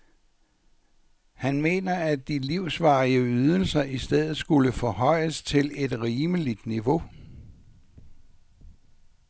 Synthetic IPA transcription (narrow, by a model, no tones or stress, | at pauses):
hænme̝̰ːnɐæd̥iliʊsʋɑ̈ːiəyð̞ˠəl̩sɐʔisd̥eð̞̰̩ˠsɡ̥uləfɒ̽hɒ̽ɪ̰əst͡sʰe̝le̝d̥ʁiːməlid̥niʋo̝